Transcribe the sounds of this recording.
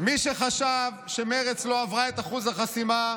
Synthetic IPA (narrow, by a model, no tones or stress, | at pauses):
miʃeχaʃavʃemeʁet͡sloavʁaet̪aχuzhaχasima